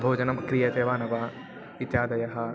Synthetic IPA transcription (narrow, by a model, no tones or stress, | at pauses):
bʱoːd͡ʒɐnɐmkɾijɐt̪eːʋaːnɐʋɐ | it̪ʃaːd̪ɐjɐɦɐ